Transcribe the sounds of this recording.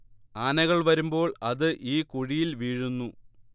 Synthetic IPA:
aːnɐɣɐɭʋɐɾumbo̞ːɭɐðɨʔiːkuɻijilʋiːɻunːu

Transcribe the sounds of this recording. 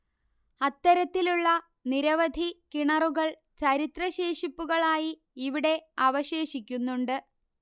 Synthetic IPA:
ɐt̪ːɐɾɐt̪ːiluɭːɐ | niɾɐʋɐd̪ʱikiɳɐruɣɐɭ | t͡ɕɐɾit̪rɐɕe̞ːʂipːuɣɐɭaːjiː | ʋiɽe̞ɐʋɐɕe̞ːɕikʲːunːuɳɖɨ

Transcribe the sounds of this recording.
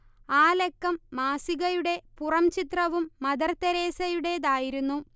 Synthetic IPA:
aːlekːɐmːaːsiɣɐjuɽe̞purɐmt͡ɕit̪rɐʋumːɐd̪ɐrt̪ːɐɾe̞ːsɐjuɽe̞d̪aːjiɾunːu

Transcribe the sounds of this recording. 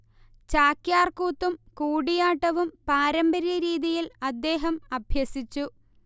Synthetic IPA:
t͡ɕaːkjaːrkuːt̪ːumkuːɽijaːʈːɐʋumpaːɾɐmbɐɾjɐɾiːðijilɐd̪ːe̞ːɦɐmɐbʱjɐsit͡ɕːu

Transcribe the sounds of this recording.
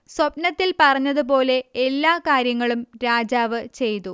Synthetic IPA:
swɐpnɐt̪ːilpɐrɐɲːɐðup̬o̞ːle̞ːlːaːkaːɾjɐŋːɐɭumɾaːd͡ʑaːʋɨt͡ɕe̞jt̪u

